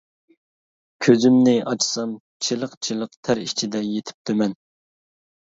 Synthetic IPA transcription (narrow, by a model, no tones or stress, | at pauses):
kʲʰøzymnɪʔɑt͡ʃʰsɑm | t͡ʃʰilˠəqt͡ʃʰilˠəqt̪ʰæɾit͡ʃʰid̪ɛjet̪ʰɪ̥p̚t̪ʰømɛn